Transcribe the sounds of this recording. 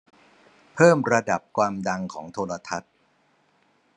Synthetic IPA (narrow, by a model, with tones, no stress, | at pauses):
pʰɤː˥˩mɾa˧da˨˩p̚kʰwaː˧mda˧ŋkʰɔː˩˦ŋt̪ʰoː˧ɾa˧t̪ʰa˦˥t̪̚